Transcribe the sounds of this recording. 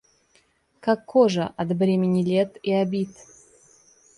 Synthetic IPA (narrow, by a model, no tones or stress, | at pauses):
kakːoʐəʔat̪brʲemʲɪnʲilʲet̪iabʲit̪